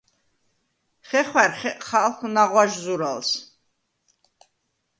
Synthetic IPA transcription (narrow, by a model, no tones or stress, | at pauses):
χɛχwæɾχɛχalˠχnaʁwaʒzuɾalˠs